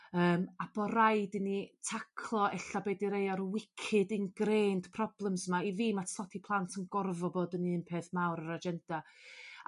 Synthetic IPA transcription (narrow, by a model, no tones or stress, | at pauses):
əːmab̥ɔɾaɨdɨnitʰakʰlˠɔʔɛɬabeːdiɾejaɾwɪkʰɨdɨnɡreːnd̥pʰrɔb̥lˠɛmsmaiviːmatsɔtʰipʰlˠantʰənɡ̥ɔrvɔboːdənɨːnpʰeːθmawɾəɾad͡ʒɛnd̥a